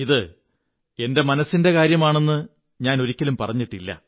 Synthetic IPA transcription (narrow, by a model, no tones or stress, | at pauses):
iðɨ | e̞nde̞mɐnɐsːinde̞kaːɾjɐmaːɳe̞nːɨ | ɲaːno̞ɾikʲːɐlumpɐrɐɲːiʈːilːɐ̰